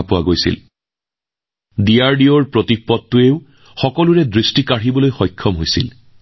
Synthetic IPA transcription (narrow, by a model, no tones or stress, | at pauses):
pʊwaɡojsḭl | diaɹdiɔɹpɹotik̚pɔtːʊeʊ | xɔkɔluɹɛdɹistikaɹibɔlojxɔjkʰːɔmɦojsḭl